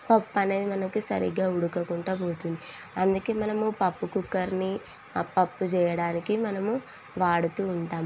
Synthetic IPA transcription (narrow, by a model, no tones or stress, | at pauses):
pɐpːɐne̞ːd̪imɐnɐkisɐ̰ɾḭɡaːuɽukɐkuɳʈaːboːt̪und̪i | ɐnd̪ukeːmɐnɐmupɐpːukukːɐɾni | pːɐpːut͡ʃɛːjɐɽaːnikimɐnɐmu | ʋaːɽut̪uːɳʈaːmu